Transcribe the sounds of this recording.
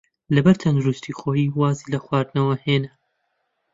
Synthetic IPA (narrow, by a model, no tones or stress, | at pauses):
lɐbɐɾt̪ʰɐnd̪uɾust̪ʰixoːjiːwaːziːlɐxwaːɾd̪nɐwɐheːnɐ